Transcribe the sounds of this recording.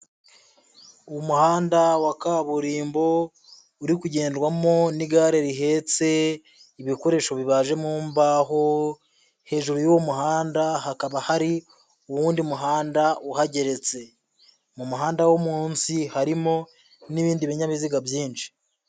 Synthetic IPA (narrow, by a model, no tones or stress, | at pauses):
umuhaːndawakaβuɾiːmbo̞ | uɾikuɟe̞ːndɡwamo̞niɡaːɾeɾiɦe̞t͡se̞ | iβiko̞ɾe̞ːʃo̞βiβaːʒe̞muːmbaɦo̞ | he̞ːʒuɾojuwomuhaːndahakaβahaɾi | uwuːndiumuɦaːndauhaɟe̞ɾe̞t͡se̞ | mumuɦaːndawomuːnsihaɾimo̞ | niβiːndiβiɲaβiziɡabjiːnʃi̥